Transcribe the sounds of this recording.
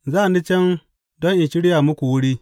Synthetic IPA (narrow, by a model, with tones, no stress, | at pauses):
zaː˦˨ni˦t͡ʃɛ˦n | dɔ˦ŋʔɪ˨ʃɪ˦ɽɪ˦jaː˨mʊ˦kʷu˨wʊ˦ɽiː˦